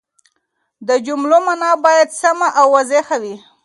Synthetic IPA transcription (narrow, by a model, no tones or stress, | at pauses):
d̪əd͡ʒʊmlomanɑbɑjad̪samaʔawːazexawi